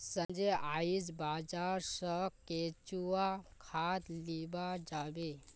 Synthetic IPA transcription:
sə̃nd͡ʒeaid͡zbad͡zaɾsəket͡ʃuakʰat̪libad͡ʒabe

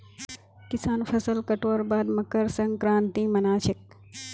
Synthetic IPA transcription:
kɪsaːnfʰɐsəlkɐʈoːɾbaːd̪mɐkəɾsɐ̃ŋɡkɾãːnt̪ĩːmɐnaːt͡ʃʰɪk̚

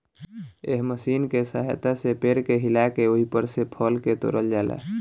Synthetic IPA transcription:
eɦməsinkesəɦjt̪asepeɾkeɦilakeoɦipəɾsepʰəlket̪o̰ɾəld͡ʒaːlɛ̰

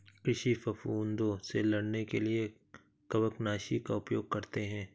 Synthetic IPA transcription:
kɾɪʃifɐfuːnd̪õselɐɽnekelie | kɐbəknaːʃikaʊpjoːɡ̚kɐɾt̪eɦɛ̃ː

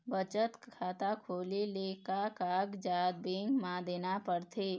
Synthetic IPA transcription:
bət͡ʃət̪kʰaːt̪akʰoːlileːkakaːɡd͡ʒaːd̪̚bẽŋɡmãd̪eːnapəɽt̪ʰeː

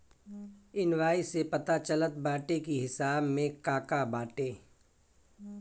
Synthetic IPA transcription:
ɪnwaːisepɐt̪at͡ʃələt̪̚baːʈekiɦɪsaːbmẽkaːkabaːʈeː

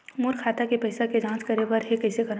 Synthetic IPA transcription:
mʊɾkʰaːt̪akepɐɪsaked͡ʒãːt͡ʃkɐɾeʋəɾɦekɐɪsekɐɾ

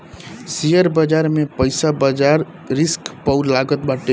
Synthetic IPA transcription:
sijəɾbəd͡ʒaɾmepəɪsabəd͡ʒaɾ | ɾiskpəʊlaɡət̪̚baʈe

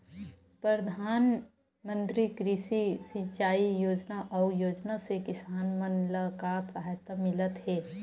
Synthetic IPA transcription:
pɾəəd̪ʱaːn | mə̃nt̪ɾikɾɪʃisit͡ʃaːijoːd͡ʒnaʔɔːjoːd͡ʒnasekɪsaːnmənləkasaɦajt̪amɪlət̪ɦɛː

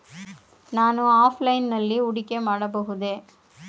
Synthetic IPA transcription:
naːnɯ̃aːflɐɪnnɐlːiʊɽɪkːemaːɽɐp̬oːɣɯðeː

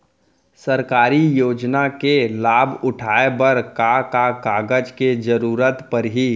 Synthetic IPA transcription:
səɾkaːɾijoːd͡ʒnakelaːbʱʊʈʰaːebəɾkakakaːɡəd͡ʒked͡ʒəɾuːɾət̪pəɾɦi

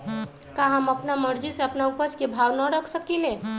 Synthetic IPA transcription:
kaɦəməpnaməɾd͡ʒiseəpnaupət͡ʃkebʱawnəɾəkʰsəkile

